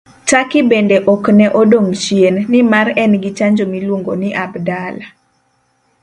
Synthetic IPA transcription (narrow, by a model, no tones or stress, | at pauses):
t͡ʃakɪbendeʔɔknɛʔɔdoŋʃjenːɪmarɛnɡɪt͡ʃaɲd͡ʒomilwoŋɡonɪʔabdala